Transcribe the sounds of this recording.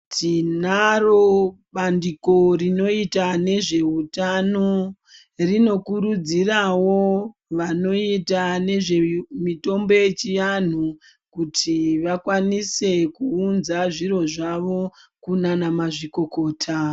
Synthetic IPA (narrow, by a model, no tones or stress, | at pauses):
tinaro | ɓandiko̞rino̞itane̞ʐe̞ɦutano | rino̞kuɾud͡zirawo̞ʋano̞itane̞ʐe̞mito̞mbo̞je̞t͡ʃijan̤u | kutʰiʋakwanise̞kuːnzaʐiɾo̞ʐaʋo̞kunanamaʐiko̞ko̞ːtʰa